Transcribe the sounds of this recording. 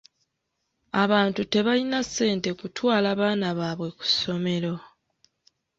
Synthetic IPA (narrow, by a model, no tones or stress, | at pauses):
aβaːntute̞βalinasːe̞ːnte̞kutʰwaːlaβaːnaβaːβwe̞ku̥so̞me̞ɾo̞